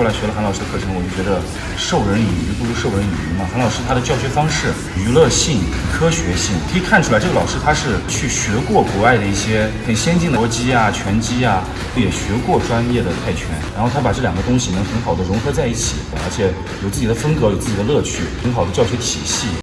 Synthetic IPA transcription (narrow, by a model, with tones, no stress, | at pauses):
la˧˥ɪɕɥɛ˧˥lə˧xlɑ˨ʊʂɻ̩˥də˧kʰɤ˥˩ʈ͡ʂʰɤ˧˥ŋwɔ˨˩t͡ɕo˥˩t͡ɕɥɛ˧˥d̪ə˧ | ʂo˥˩ʊɻə˧˥ny˨˩y˧˥pu˥˩ʂu˥ʂo˥˩ʊɻə˧˥ny˨˩y˧˥mɐ˨˩xa˧˥nlɑ˨˩ʊʂɻ̩˥t̪ʰa˥d̪ə˨˧t͡ɕjɑ˥˩ʊɕɥɛ˧˥fɑ˥ŋʂɻ̩˥˩ | y˧˥lɤ˥˧ɕi˥˩ŋ˩kʰɤ˥ɕɥɛ˧˥ɕi˥˩ŋkʰɤ˧˥i˨˩kʰa˥˩nʈ͡ʂʰu˥la˧˥ɪʈ͡ʂɤ˥˩ɡə˩lɑ˨˩ʂɻ̩˥t̪ʰa˥ʂɻ̩˥˩t͡ɕʰy˥˩ɕɥɛ˧˥kwɔ˥˩ku˧˥a˥˩ɪd̪ə˩i˥˩ɕjɛ˥xə˨˩nɕjɛ˥nt͡ɕi˥˩ŋd̪ə˧˥t͡ɕi˥a˨t͡ɕʰɥɛ˧˥nt͡ɕi˥a˨ | o˥˩ʊjɛ˨˩ɕɥɛ˧˥kwɔ˥˩ʈ͡ʂwa˥njɛ˥˩d̪ə˩t̪ʰa˥˩ɪt͡ɕʰɥɛ̰˧˥nɻa̰˧˥nxo˥˩ʊt̪ʰa˥pa˨˩ʈ͡ʂɤ˥˩ljɑ˨˩ŋɡə˦t̪ʊ˥ŋɕi˨nə˧˥xə˧˥nxɑ˨˩ʊd̪ə˦ɻʊ˧˥ŋxɤ˧˥t͡sa˥˧ɪi˥˩t͡ɕʰi˨˩˦ə̰˧˥t͡ɕʰjɛ˧˩˦ | jo˨˩ʊt͡sɹ̩˥˩t͡ɕi˨˩d̪ə˦fə˥ŋkɤ˧˥jo˨ʊt͡sɹ̩˥˩t͡ɕi˨˩ə˦lɤ˥˧t͡ɕʰy˥˩xə˧˥nxɑ˨˩ʊd̪ə˦t͡ɕjɑ˥˩ʊɕɥɛ˧˥t̪ʰi˨˩ɕi˥˩